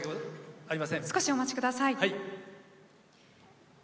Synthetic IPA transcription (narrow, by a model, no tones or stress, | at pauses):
aɾimasẽsɨ̥ko̞ɕio̞mat͡ɕi̥kɯ̟d̪asaihai